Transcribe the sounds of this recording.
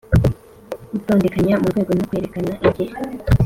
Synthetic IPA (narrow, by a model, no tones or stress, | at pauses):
utoːndekaɲamuɾɡwe̞ːɡo̞nokwe̞ːɾe̞kanaʔiɟeɾe